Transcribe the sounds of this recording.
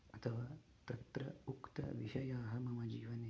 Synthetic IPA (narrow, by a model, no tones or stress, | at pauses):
ɐt̪ʰɐʋaː | t̪ɐt̪ɾɐukt̪ɐ̰ʋiʃɐjaːɦɐmɐmɐd͡ʒiːʋɐneː